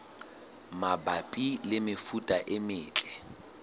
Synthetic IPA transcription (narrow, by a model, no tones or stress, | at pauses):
mabapʼilɪmɪfutʼaʔɪmɪːt͡ɬʼɛ̥